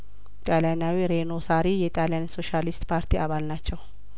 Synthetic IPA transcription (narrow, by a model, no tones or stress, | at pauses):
t̪ʼaljanawiɾeno̞saɾijɛt̪ʼaljanso̞ʃalist̪ʼpʰaɾt̪ʰiʔaβalnat͡ʃːɛw